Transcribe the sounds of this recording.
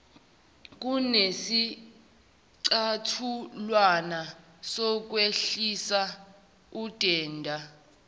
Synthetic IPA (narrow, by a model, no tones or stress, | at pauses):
k̬ʼunesi | ǀatʰulwana | sɔk̬weɬisa | ud̥ʱʼɛːndʱa